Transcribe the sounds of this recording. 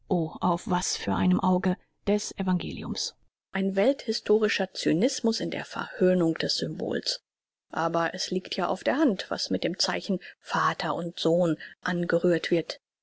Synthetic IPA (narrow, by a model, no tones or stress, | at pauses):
ʔoːʔaʊfv̥asfyːɐʔaɪnəmʔaʊɡə | d̥ɛsʔevaŋɡḛːlḭʊms | ʔaɪnvɛlthɪstʰoːʁɪʃɐt͡synɪsmʊsɪndḛːɐfɛ̰ɐhøːnʊŋd̥ɛsz̥ʏmbo̰ːls | ʔaːbɐʔɛsliːktʰjaːʔa̰ʊfd̥eːɐhantv̥a̰smɪt̚d̥eːmt͡saɪçn̩faːtʰɐʔʊntz̥oːnʔanɡəʁyːɐtv̥ɪɐt